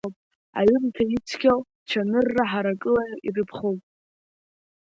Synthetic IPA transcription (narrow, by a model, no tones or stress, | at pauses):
pʼ | a̰ɥʏrtʰait͡sʰkʲʰal | t͡ʃʷʰanɨrːaħaɾakʼɨlairɨpʰχowpʼ